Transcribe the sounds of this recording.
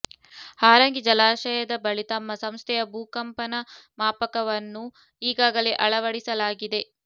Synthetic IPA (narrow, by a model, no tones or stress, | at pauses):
haːɾɐŋɡid͡ʒɐlaːʃɐjɐd̪ɐbɐɭit̪ɐmːɐsɐmst̪ʰɛjɐbʱuːkɐmpɐnɐmaːpɐkɐʋɐnːu | iːɡaːɡɐleːʔɐɭɐʋɐɽisɐlaːɡid̪e̞